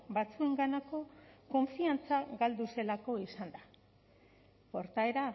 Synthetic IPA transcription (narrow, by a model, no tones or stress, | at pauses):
bat͡sue̞ŋɡanako̞ko̞ɱfiant͡saɡald̪use̞lako̞isand̪a | po̞ɾt̪ae̞ɾa